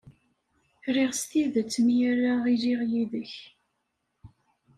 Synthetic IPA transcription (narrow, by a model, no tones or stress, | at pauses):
ɾiʁst̪iðæt͡sːəmjarːaʁiliʁjiðəç